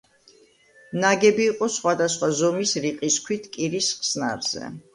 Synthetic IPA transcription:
naɡɛbiːqʼɔsχwad̪asχwazɔmisɾiqʼiskʰwit̪ʰkʼiɾisχsnaɾz̥ɛ̰

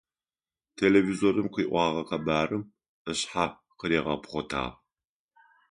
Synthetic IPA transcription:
tʰeːlevizorɨmqiːʔʷɑːʁɐqɐbaːrɨm | əɕħa | qəɾeːʁɐ̰pχʷɔtʰa̰ːʁ

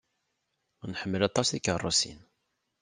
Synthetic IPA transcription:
ʊnħəmːəlɑt̪ˤːɑsikərˤːosḭn

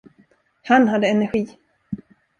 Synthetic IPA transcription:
hanɦad̪ːəɛnæɾɧiː

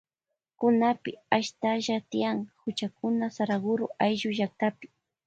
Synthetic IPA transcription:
kʊnapɪaʃt̪aʒat̪ɪjaŋhʊt͡ʃakʊnasaɾaɣʊɾʊʔajʒʊʒak̚t̪apɪ̥

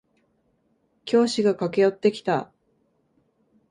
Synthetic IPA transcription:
kʲo̞ːɕiɡakake̞jo̞t̪ːe̞kʲi̥t̪a

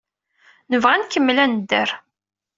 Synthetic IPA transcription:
nəvʁænkəmːlænd̪ːəɾ

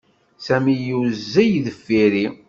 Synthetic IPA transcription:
sæmijuzːæjðəfːiɾi

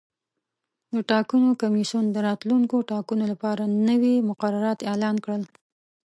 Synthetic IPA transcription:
d̪əʈɑkunokamisund̪əɾɑt̪luŋkoʈɑkunolapɑɾanəwimʊqaɾaɾɑt̪elɑnkɽəl

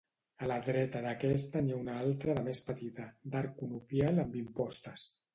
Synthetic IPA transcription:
əlaðɾɛt̪əðəkɛst̪əniaunaalˠt̪ɾəðəmespət̪it̪əd̪aɾkunupjaləmbimpɔst̪əs

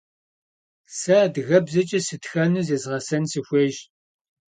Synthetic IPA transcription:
saːdɣɐbzɐt͡ʃʼɐsɨtxɐnɨzeːzʁɐsɐnsɨxʷeːʒ

